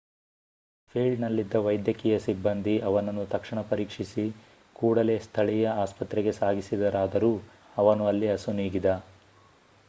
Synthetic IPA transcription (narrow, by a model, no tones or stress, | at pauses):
pʰeːɭnɐlːid̪ːɐʋɐjd̪jɐkijɐsibːɐnd̪iʔɐʋɐnɐnːut̪ɐkʂiɳɐpɐɾiːkʂisi | kuːɽɐle̞ːst̪ʰɐɭijɐaːspɐt̪ɾɛɡe̞saːɡisid̪ɐɾaːd̪ɐɾuː | ɐʋɐnuɐlːiɐsuniːɡid̪ɐ